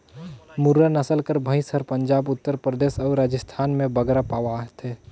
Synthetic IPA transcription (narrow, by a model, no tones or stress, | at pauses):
mʊɾːanɐsəlkəɾbʱə̃ɪ̃səɾpə̃ɲd͡ʒaːbʊt̪ːəɾpɾəd̪eːsɔːɾɾaːd͡ʒəst̪ʰaːnmẽbəɡɾapaːwaɦt̪ɛː